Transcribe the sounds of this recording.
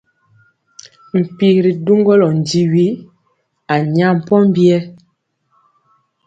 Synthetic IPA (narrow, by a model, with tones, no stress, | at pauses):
m̩˨pi˨ɾi˨du˦ŋɡɔ˦lɔ˨n˨di˨˦wi˦ | a˨ɲa˦m̩˨pɔ˦m̩˦bi˦ɛ˦